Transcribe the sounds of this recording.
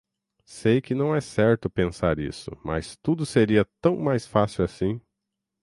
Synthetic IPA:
sejkɪnɐ̃w̃ɛsɛɾt̪ʊpẽsaɾḭsʊ̰mɐ̰st̪ud̪ʊseɾiɐt̪ɐ̃w̃majsfasiwasĩ

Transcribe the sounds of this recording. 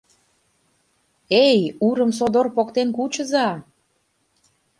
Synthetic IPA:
ejuɾə̆ms̬od̪orpokt̪enkut͡ɕə̆zɑ

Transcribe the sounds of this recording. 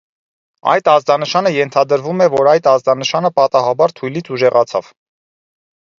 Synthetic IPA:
ɑ̰jt̪ɑzd̪ɑnəʃɑnəjɛnt̪ʰɑd̪əɾvumɛvɔɾɑjt̪ɑzd̪ɑnəʃɑnəpɑt̪ɑɦɑbɑɾt̪ʰujlit͡sʰuʒɛʁɑt͡sʰɑ̰v̥

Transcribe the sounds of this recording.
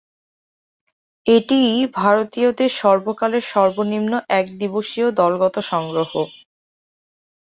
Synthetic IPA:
eʈibʱaɾot̪iod̪eɾʃɔɾbokaleɾʃɔɾbonimnoʔɛkd̪iboʃiod̪ɔlɡɔt̪oʃɔŋɡɾoɦo

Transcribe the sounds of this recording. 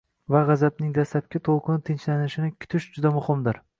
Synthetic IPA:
vaʁɑzab̚nɪŋd̪aslap̚kʲɪt̪ʰolˠqʰɨnɪt̪ʰɪnt͡ʃlanɪʃɪnɪkʲʰʊ̥t̪ʰɪʃd͡ʒʊd̪amʊhɪmd̪ɪɾ

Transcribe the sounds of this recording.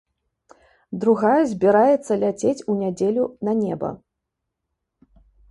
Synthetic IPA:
d̪ɾuɣajɛzʲbʲiɾajɛt̪sːɐlʲat͡sʲet͡sʲunʲad͡zʲelʲunɐnʲɛbɐ̰

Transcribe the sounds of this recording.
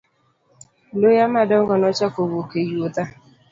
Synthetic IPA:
lojamadɔŋ̩ɡɔnɔt͡ʃakowokejiota

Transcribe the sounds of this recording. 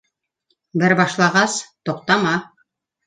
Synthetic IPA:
bɘɾbɑʃlˠɑʁɑst̪ŏq̚t̪ɑmɑ

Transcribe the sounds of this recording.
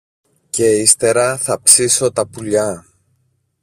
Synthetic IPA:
ce̞ist̪e̞ɾɐθɐpsiso̞t̪ɐpuʎɐ

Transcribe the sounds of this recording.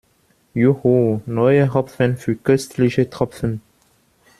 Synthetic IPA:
juhonɔʏəʁɔfənfyːɐkœstʰlɪçətʁ̥ɔpfən

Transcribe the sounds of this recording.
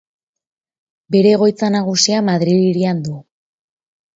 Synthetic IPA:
be̞ɾe̞ɣo̞jt͡sanaɣ̞usiamaðɾiliɾiand̪u

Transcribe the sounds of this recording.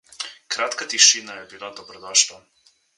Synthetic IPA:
kɾaːt̪kat̪iʃinajɛbilad̪ɔbɾɔd̪aʃta

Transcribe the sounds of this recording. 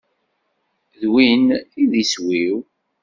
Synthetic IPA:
ðwiniðiswiw

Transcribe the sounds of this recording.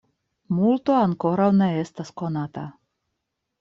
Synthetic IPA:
mult̪oaŋkoɾawnɛɛst̪askonat̪a

